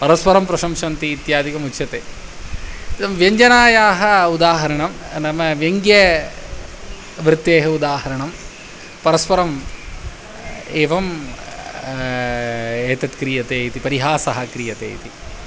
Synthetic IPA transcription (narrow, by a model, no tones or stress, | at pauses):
pɐɾɐspɐɾɐmpɾɐʃɐmʂɐnt̪iːt̪jaːd̪ikɐmut͡ʃːt͡ʃʰɐt̪eː | t̪ɐmʋjɐɲd͡ʒɐnaːjaːɦɐud̪aːɦɐɾɐɳɐm | nɐmɐʋjɐŋɡjɐ | ʋɾɪt̪ːeːɦɐud̪aːɦɐɾɐɳɐm | pɐɾɐspɐɾɐm | eːʋɐm | eːt̪ɐt̪kɾijɐt̪eːit̪ipɐɾiɦaːsɐɦɐkɾijɐt̪ḛːjit̪i